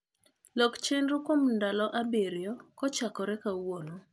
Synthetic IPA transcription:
lɔkt͡ʃenɾukwomndalɔʔabeɾjɔkɔt͡ʃakɔɾɛkawolo

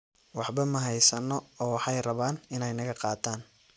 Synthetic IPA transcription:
wɑħbɐmɐɦɛjsɐnːɔɔːwɑħɑjrɐβaːnɪnɛjnɐɣɐqɑːt̪ʰaːn

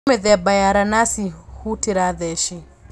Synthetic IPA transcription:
mɛðɛbajaɾanasihutiɾaðɛʃi

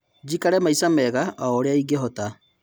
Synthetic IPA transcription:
d͡ʒikaɾɛmaisamɛɣaaɔːɾeaiɡeɦɔta

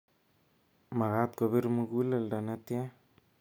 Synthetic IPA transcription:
maɣat̪̚koβiɾmuɡulaldanatja

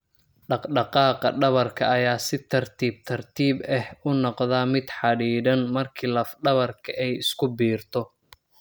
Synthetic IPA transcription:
ɖɑqɖɑqɑːqɐ̰ɖɐβɐrkʰɐ̰ːjaːsɪt̪ʰɐrt̪ʰiːb̚t̪ʰɐrt̪ʰiːbɛhʊnɔqðaːmɪd̪ħɑɽiːɾɐnmɐrkʰiːlɐfɖɐβɐrkʰɐʔɛjɪskʰʊbiːrt̪ʰɔ

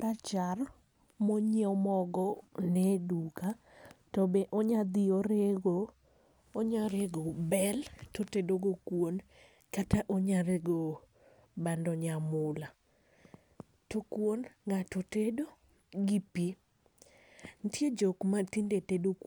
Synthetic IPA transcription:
ɾat͡ʃar | moɲiɔmɔɡɔnɛduka | tɔbeʔoɲad̪ɪoɾeɡo | oɲaɾeɡobɛltotedoɡokwon | kataʔoɲaɾeɡo | bandɔɲamʊla | tokwonŋatotedo | ɡipi | ntjed͡ʒokmatindetedok

